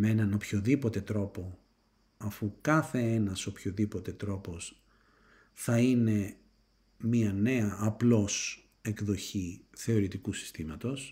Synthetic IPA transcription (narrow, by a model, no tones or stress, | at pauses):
meenɐno̞pçoðipo̞t̪e̞t̪ɾo̞po̞ | ɐfukɐθe̞enɐso̞pçoðipo̞t̪e̞t̪ɾo̞po̞s | θɐine̞ | miɐne̞ɐʔːplo̞s | e̞kðo̞çiθe̞o̞ɾit̪ikusi̥st̪imɐt̪o̞s